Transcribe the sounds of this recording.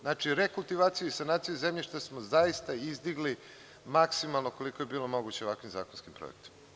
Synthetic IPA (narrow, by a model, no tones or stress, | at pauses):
znat͡ʃiɾe̞kulˠt̪iʋaːt̪sijuisanaːt̪sijuzemʎiʃt̪asmo̞zaist̪aizd̪iɡli | maksimalˠnoko̞liko̞je̞biːlˠo̞mo̞ɡut͡ɕeakʋimza̰ːkonskimpɾo̰jekt̪i̥m